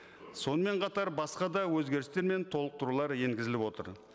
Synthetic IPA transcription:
so̞nəme̞ɴqʰɑt̪ɑɾbɑsqɑd̪ɑwɵzɡʲe̞ɾɪst̪e̞ɾme̞nt̪ʰo̞lˠəq̚t̪əɾulˠɑɾje̞ŋɡʲɪzɪlɪpwo̞t̪ə̰ɾ

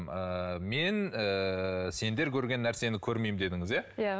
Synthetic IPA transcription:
məme̞nəse̞nd̪e̞ɾkʲʰɵɾɡʲe̞nːæɾse̞nɪkʲʰɵɾme̞jmd̪e̞d̪ɪŋɪzjaj

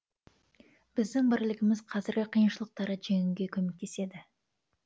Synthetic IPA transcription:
b̥ɪzd̪ɪŋbɪɾɪlɪɡʲɪmɪz̥qʰɑzɪɾɡʲɪqʰijənʃəlˠəq̚t̪ɑɾəʒe̞ŋɪŋɡʲe̞kʲʰɵme̞k̚t̪ʰe̞se̞d̪ɪ

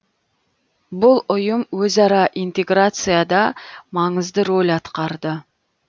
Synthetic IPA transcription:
bʊlˠʊjəmwɵzɑɾɑʔijnt̪e̞ɡrat̪sɨjad̪ɑmɑɴəzd̪əɾo̞lʲɑt̪qɑɾd̪ə

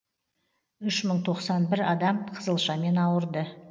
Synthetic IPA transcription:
ʏʃməɴt̪ʰo̞qsɑnbɪɾɑd̪ɑmqʰəzəlˠʃɑme̞nɑwəɾd̪ə

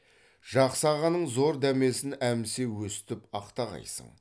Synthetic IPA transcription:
ʒ̥ɑqsɑʁɑnəɴzo̞ɾd̪æme̞sɪnæmse̞wɵsɪ̥t̪ɪpɑqt̪ɑʁɑ̰jsə̰ɴ

